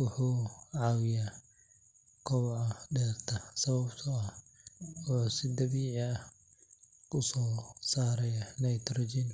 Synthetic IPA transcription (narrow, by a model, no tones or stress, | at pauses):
wʊħuːʕaːwɪjaː | kʰɔwʕɐdɛːrt̪ʰɐsɐβɐbt̪ʰɐɐh | ɔːsɪd̪ɐβiːʕɪɐ | kʰʊsɔːsaːɾɛjanɐjt̪ɾɔːd͡ʒin